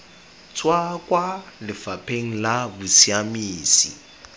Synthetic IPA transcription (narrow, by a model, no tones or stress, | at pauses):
t͡sʼwakʼwalɪfapʰeŋ̩labʊsiamiːsḭ